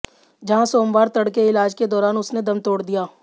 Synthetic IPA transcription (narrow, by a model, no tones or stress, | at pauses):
d͡ʒɐɦãsoːmʋaːɾt̪ɐɽkeɪlaːd͡ʒked̪ɔːɾaːnʊsned̪ɐmt̪oːɽd̪ijaː